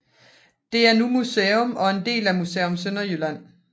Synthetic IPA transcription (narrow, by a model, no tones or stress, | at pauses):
d̥e̝æɐnumuseːɔmɒ̽e̝nd̥e̝̰ːlæmusḛːɔ̽msønɐjylæn̰